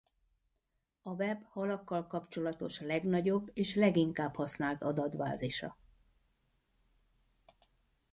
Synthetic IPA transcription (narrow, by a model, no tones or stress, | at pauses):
ɒvɛbhɒlɒkːɒlkɒpt͡ʃo̞lɒt̪o̞ʃlɛɡnɒɟo̞bːeːʃlɛɡiŋkaːphɒsnaːlt̪ɒd̪ɒd̪ba̰ːziʃɒ̰